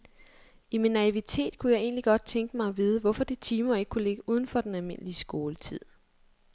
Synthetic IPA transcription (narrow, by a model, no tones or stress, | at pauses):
iminːæiʋit͡sʰe̝̰ːd̥kʰujɑ̈ɪe̝̰ːnliɡ̥ɒ̽d̥̚t͡sʰeŋɡ̥əmɑ̈ɪʋið̞ˠəʋɒfɒ̽d̥et͡sʰiːmɐe̝ɡ̥ə̥kʰule̝ɡ̥əʔuð̞ˠn̩fɒ̽d̥enælme̝nəliəsɡ̥o̝ːlət͡sʰið̰ˠ